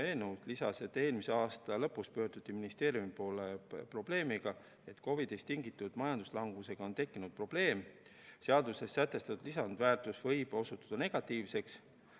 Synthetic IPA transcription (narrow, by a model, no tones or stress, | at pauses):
e̞ːnewt̪lisɑse̞t̪ːˑe̞ːlmise̞ɑːst̪ɑlɤ̞pːuspø̞ːɾd̪̥ut̪ːˑiminist̪e̞ːɾjumipo̞ːlepro̞ble̞ːmiɡ̥ɑ | e̞t̪ko̞vid̪est̪ːiŋɡit̪ːˑud̪̥mɑjɑnd̪̥u̥slɑŋɡ̥use̞ɡ̥ɑo̞nt̪e̞kːinud̪̚pro̞b̥le̞ːm | seɑd̪use̞sːæt̪ːˑe̞st̪ɑt̪ud̪lisɑnd̪̥væːrt̪ˑusvɤjb̥o̞sut̪ːˑɑ̥d̪̥ɑne̞ɡ̥ɑt̪ːˑiːvse̞ks